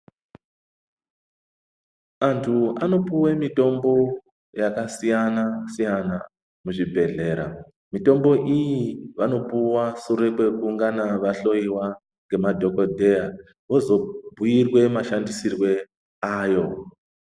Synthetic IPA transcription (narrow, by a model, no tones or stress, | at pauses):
antʰuano̞puwemito̞mbo̞ | jakasijanasijana | muʐibʱe̞ɮe̞ɾa̰ | mito̞mbo̞ʔijiʋano̞puwasuɾepwe̞kuŋɡanaʋaɬo̞iwa | ŋɡe̞madʱo̞ko̞dʱe̞ja | ʋo̞zo̞bʱujirwe̞maʃandisirwe̞ | aːjo̞